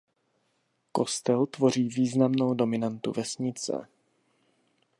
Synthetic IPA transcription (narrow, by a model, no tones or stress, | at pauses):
ko̞st̪ɛlt̪vo̞r̝iːviːznamnowdo̞mɪnant̪ṵvɛsɲɪt͡sɛ̰